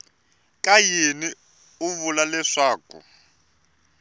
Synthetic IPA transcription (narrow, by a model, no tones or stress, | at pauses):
kʼajini | uβulalɛʂaːkṵ